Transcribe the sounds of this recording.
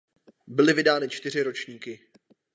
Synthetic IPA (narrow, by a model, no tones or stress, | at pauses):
bɪlɪvɪdaːnɪt͡ʃt̪ɪr̝ɪɾo̞t͡ʃɲiːkɪ